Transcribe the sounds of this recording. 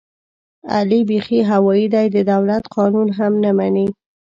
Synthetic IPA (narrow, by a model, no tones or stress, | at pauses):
a̰libexiɦawɑjid̪ajd̪əd̪awlat̪qɑnunɦamnamani